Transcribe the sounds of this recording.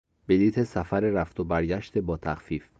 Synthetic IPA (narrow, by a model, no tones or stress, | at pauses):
b̥e̞liːt̪ʰe̞sæfæɾeɾæft̪ʰobæɾɟæʃt̪ʰebɒːt̪ʰæxfiːf